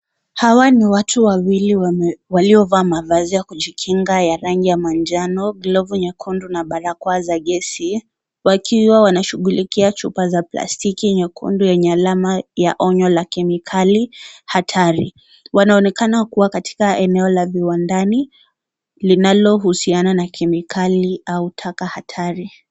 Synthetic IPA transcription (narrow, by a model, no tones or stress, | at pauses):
hawaniwatʰuwawiliwaliɔvaːmavazijakuʄikʰiŋɡajaɾaŋɡijamand͡ʒanɔɡlɔvuɲɛkʰundunaɓaɾakwazaɠɛsi | wakʰiwawanaʃuɠulikiat͡ʃupazapla̰stikiɲɛkʰṵndujɛɲɛalamajaʔɔɲɔlakɛmikʰalihatʰaɾḭ | wanaɔnɛkanakuwakatʰi̥kaɛnɛɔlaviwandani | linalɔɦusiananakʰɛmikʰaliautʰakahatʰaɾi